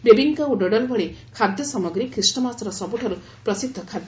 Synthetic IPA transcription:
bebʱiŋkaoɖɔɖɔlbɔɭekʰad̪jɔsɔmɔɡɾikɾisʈɔmasɾɔsɔbuʈʰɔɾu | pɾɔsid̪ʱːɔkʰad̪j

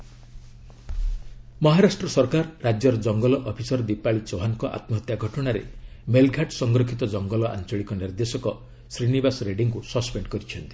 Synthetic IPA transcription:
mɔɦaɾaʂʈɾɔsɔɾkaɾːad͡ʒjɔɾɔd͡ʒɔŋɡɔlɔʔɔpʰisɔɾd̪ipaɭit͡ʃoɦaŋkɔʔa̰t̪mɔɦɔt̪jaɡʱɔʈɔɽ̃aɾḛmelɡʱaʈsɔŋɡɾɔkʰit̪ɔd͡ʒɔŋɡɔlɔʔa̰nt͡ʃɔɭikɔniɾd̪esɔkɔ | sɾinibasɾeɖiŋkusɔspeɳɖkɔɾit͡ʃʰɔnt̪i̥

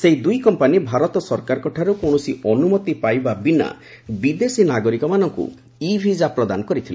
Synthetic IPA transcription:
seɦid̪ujkɔmpanibʱaɾɔt̪ɔsɔɾkaɾɔkɔʈʰaɾukoɳ̃ɔsiɔnumɔt̪ipajbabina̰ | bid̪esinaɡɔɾikɔmanɔŋkṵ | ibʱid͡ʒapɾɔd̪a̰nɔkɔɾit̪ʰile

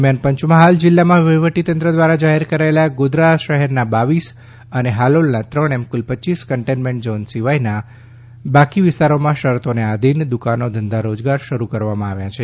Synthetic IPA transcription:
mjanpəɲt͡ʃmãɦald͡ʒɪlːamãʋəʋəʈit̪ənt̪ɾəd̪ʋaɾad͡ʒaɦɛɾkəɾaelaɡod̪ɾaʃəɦɛɾnabaʋis | əneɦalolnat̪ɾəɽɛmkulpətːiskəɳʈenmẽɳʈ̚d͡ʒɔnsiʋajna | bakiʋɪst̪aɾomãʃəɾt̪onead̪ʱind̪ukanod̪ʱənd̪ʱaɾod͡ʒɡaɾʃəɾukəɾʋamãaʋjat͡ʃʰe

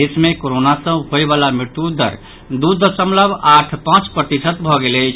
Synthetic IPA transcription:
eːsmẽkoɾonasə̃ɦoeʋaːlamɪt̪ud̪ʱə̰ɾ | d̪ud̪ʱəsə̃mləbʱaːʈʰpãːt͡ʃpɾət̪isət̪bʱɔɡelet͡ʃʰ

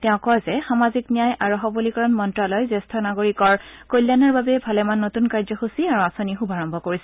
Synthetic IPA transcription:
tɛʊ̃kɔjzɛxamaziknijajaɹɔɦɔbulikɔɹɔnmɔntɹalɔjzestʰɔnaɡoɹikɔɹkolːjanɔɹbabɛbʱalɛmanːotunkaɹzɔxusiaɹuasonixubʱaɹɔmbʱɔkoɹisɛ

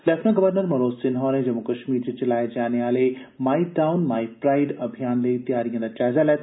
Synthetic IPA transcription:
lɛfʰnãɡɐʋəɾnəɾmɐɾoːsɪnɦɔːɾẽd͡ʒɐmːukɐʃmiːɾd͡ʑet͡ʃɐlaːjed͡ʒaːneʋaːle | maːiʈaːʊnmaːipɾaːɪɖɐbʱijaːnleit̪ijaːɾijɐ̃d̪at͡ʃaːɦzalɛt̪

